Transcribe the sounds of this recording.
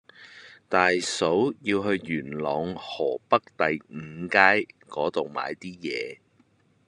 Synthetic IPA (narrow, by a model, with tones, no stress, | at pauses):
t̪aː˨jso˨˥wjiː˧wɦɵ˧ɥːyː˨˩nlɔː˨˧ŋhɔː˨˩pɐ˥k̚t̪ɐ˨jŋ̩˨˧kaː˥jkɔː˨˥t̪o˨wma̰ː˨˧jt̪iː˥jɛː˨˧